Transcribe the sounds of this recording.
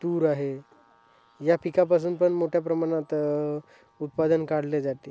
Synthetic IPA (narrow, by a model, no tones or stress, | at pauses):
t̪uːɾaɦe | japikap̬as̬uːnpəɳmoʈʰjapɾəmaɽ̃at̪ | ut̪̚pad̪ənkaɽ̤led͡zat̪e